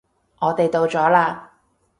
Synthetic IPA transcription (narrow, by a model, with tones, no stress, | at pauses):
ŋɔː˨˧t̪e˨jt̪o˨wt͡ʃɔː˨˥laː˧